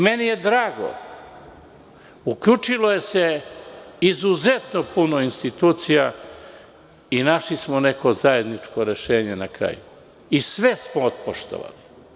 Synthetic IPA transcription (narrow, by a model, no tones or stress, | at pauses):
me̞nije̞d̪ɾaːɡo̞̰ | ukʎut͡ʃiloje̞se̞ | izuzet̪nopunoinst̪it̪uːt̪sija | inaʃlismone̞ko̞zaje̞d̪nit͡ʃkoɾe̞ʃeːɲenakɾa̰ːju | isʋe̞smoot̪poʃt̪o̰ʋa̰li